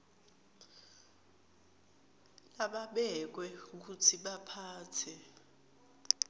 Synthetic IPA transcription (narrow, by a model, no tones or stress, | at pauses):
laɓaɓɛk̬wɛuk̬utʰiɓapʰaːtʰɛ